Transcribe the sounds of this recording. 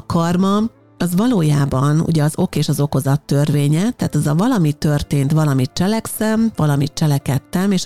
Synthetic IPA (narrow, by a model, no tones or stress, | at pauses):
kɒrmɒ | ɒzʋɒloːjaːbɒnṵɟɛɒzo̞keːʃɒzo̞ko̞zɒt̪ːø̞rʋeːɲɛt̪ɛːt̪ɒzɒvɒlɒmit̪ːø̞rt̪eːnt̪ʋɒlɒmit̪̚t͡ʃɛlɛksɛmvɒlɒmit̪̚t͡ʃɛlɛkɛt̪ːɛmeːʃ